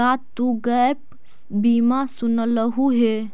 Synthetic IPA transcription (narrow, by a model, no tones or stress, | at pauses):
at̪ːuɡəp | biːmasunələɦuɦe